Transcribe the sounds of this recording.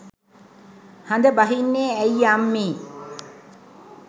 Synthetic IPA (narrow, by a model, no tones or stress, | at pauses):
hand̪əbaɦinːeːæjamːiː